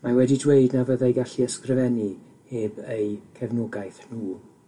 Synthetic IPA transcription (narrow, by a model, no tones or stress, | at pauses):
mawɛdidwejdnavəðajɡaɬiəskrɨvɛni | eːbejkʰɛvnʊɡajθnuː